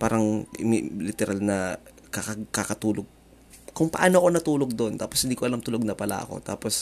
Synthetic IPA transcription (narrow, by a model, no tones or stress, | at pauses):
paːɾɐŋm̰lɪt̪ɛɾʔalnɐ | kɐkɐkɐkɐt̪uːloɡ̚ | kʊŋpɐʔaːnoɐko̞nɐt̪uːloɡ̚d̪o̞nt̪aːposhɪnd̪ikoɐlamt̪ʊloɡ̚nɐpɐla̰ʔɐ̰ko̞̰t̪a̰ːpos